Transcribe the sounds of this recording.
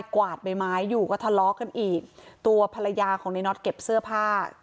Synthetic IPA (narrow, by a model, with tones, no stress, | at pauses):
jkwaː˨˩t̪̚ba˧jmaː˦˥jːuː˨˩kɔː˥˩t̪ʰa˧˩lɔː˦˥kːa˧nʔiː˨˩k̚t̪u˧ɐpʰa˧la˧jaː˧kʰɔː˩˦ŋna˧˦jnɔ˦˥t̪̚ke˨˩p̚sɯ˥˩əpʰaː˥˩